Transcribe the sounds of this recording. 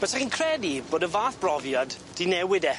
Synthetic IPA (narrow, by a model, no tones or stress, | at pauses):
b̥ətʰaχinkʰrɛdiboːdəvaːθb̥rɔvjad | d̥inɛwɪdɛ